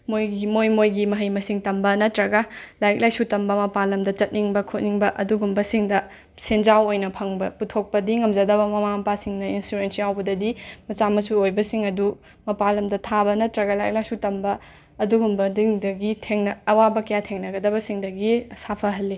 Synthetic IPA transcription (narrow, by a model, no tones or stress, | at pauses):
mojɡmojmojɡimɐɦɐjmɐsiŋtɐmbɐnɐtɾɐɡalajk̚lajsutɐmbɐmɐpalɐmdɐt͡ʃɐt̚niŋbɐkʰot̚niŋbɐʔɐduɡumbɐsiŋdɐ | send͡ʒawojnɐpʰɐŋbɐputʰok̚pɐdiŋɐmd͡ʒɐdɐbɐmɐmaɐpasiŋnɐinsuɾensijawbɐdɐdimɐt͡ʃamɐsuojbɐsiŋɐdu | mɐpalɐmdɐtʰabɐnɐtɾɐɡɐlajk̚lajsutɐmbɐː | duɡumbɐdiŋdɐɡitʰeŋnɐːwabɐkɐjatʰeŋnɐɡɐdɐbɐsiŋdɐɡisapʰɐɦɐlːi